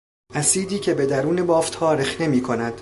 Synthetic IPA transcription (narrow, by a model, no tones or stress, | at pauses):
ʔæsiːd̪iːcʰe̞be̞d̪æɾuːne̞bɒːft̪hɒːɾexne̞miːkʰo̞næd̪̥